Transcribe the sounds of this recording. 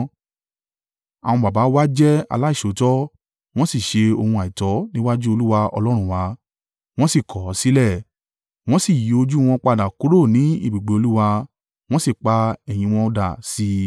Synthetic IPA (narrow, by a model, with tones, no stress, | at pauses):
ã˨ɔ̃˧ba˨ba˨˦wa˦d͡ʒɛ˦a̰˧la˦i˦˨ʃo˨˦tɔ˦ | w̃ɔ̃˦si˦˨ʃe˧o˧hũ˧a˨i˨tɔ˨˦nĩ˦wa˦d͡ʒu˦o˧lu˦wa˧ɔ̰˧lɔ˦ɾ̃ũ˦˨wa˨˧˦ | w̃ɔ̃˦si˦˨kʰɔ˨˦si˦lɛ˦˨ | w̃ɔ̃˦si˦˨ji˨˦o˧d͡ʒu˦˧w̃ɔ̃˧k͡pa˧da˨ku˨˦ɾo˦˨nĩ˨˦ḭ˦˨bi˨ɡ͡be˨o˧lu˦wa˧ | w̃ɔ̃˦si˦˨k͡pa˧ɛ˨j̃ĩ˧w̃ɔ̃˧da˨si˧˦